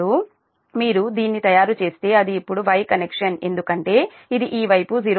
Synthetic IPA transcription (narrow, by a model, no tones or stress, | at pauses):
u | miːɾud̪iːnːit̪ɐjaːɾut͡ʃe̞ːst̪e̞ːɐd̪iːpːuɽuʋɐjkɐnekʂɐne̞̰nd̪ukɐɳʈe̞ː | id̪iʔiːʋɐjpuziɾ